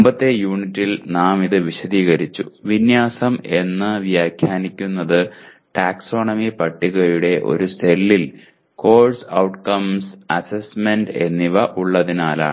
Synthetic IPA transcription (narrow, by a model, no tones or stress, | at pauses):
umbɐt̪ːe̞juːɳitːilnaːmiðɨʋiɕɐðiːɣɐɾit͡ɕːṵʋinjaːsɐme̞nːɨʋjaːkʰjaːnikʲːunːɐðɨ | ʈaːkso̞ːɳɐmipɐʈːiɣɐɾuɽe̞ʔo̞̰ɾuse̞lːil | ko̞ːrsɐwʈkɐmsɐsesme̞nɖe̞̰nːiʋɐʔuɭːɐðinaːla̰ːɨ